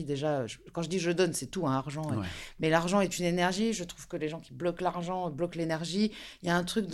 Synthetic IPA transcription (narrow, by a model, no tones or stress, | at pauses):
id̪eʒaøʒəkɑ̃ʒəd̪iʒəd̪ɔnsɛt̪uɛ̃aʁʒɑ̃emɛlaʁʒɑ̃ɛt̪ynenɛʁʒiʒət̪χuv̥kəleʒɑ̃kʲiblɔklaʁʒɑ̃blɔklenɛʁʒijaɛ̃t̪χyk̚d̪